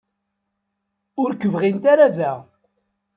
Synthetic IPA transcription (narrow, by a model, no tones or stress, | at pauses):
ʊɾkːəvʁint̪aɾaðæ